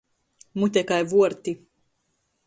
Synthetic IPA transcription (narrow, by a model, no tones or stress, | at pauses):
mut̪ʲɛkajvuɔɾt̪i